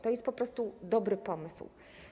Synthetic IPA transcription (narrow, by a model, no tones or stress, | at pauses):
t̪ɔjɛst̪pɔpɾɔst̪ud̪ɔbɾɘpɔmɘsw